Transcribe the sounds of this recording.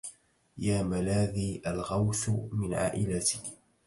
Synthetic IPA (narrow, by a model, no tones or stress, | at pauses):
jaːmalaːðiːʔalɣawθmɪnʕa̰ːʔɪlat̪ɪ̥k